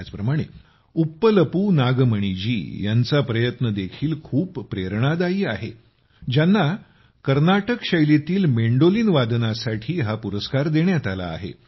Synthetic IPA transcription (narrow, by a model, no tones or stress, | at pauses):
at͡spɾəmaɽ̃ḛ | upːələpuːnaɡməɳ̃id͡ʑḭːjant͡sapɾəjət̪nəd̪ekʰiːlkʰuːpːɾeɾɳ̃ad̪aiːaɦe | d͡ʑjanːa | kəɾnaʈəkɕəjlet̪iːlmeɳɖoliːnʋad̪nasaʈʰiːɦapuɾəskaɾd̪eɳjat̪ala̰ːɦḛ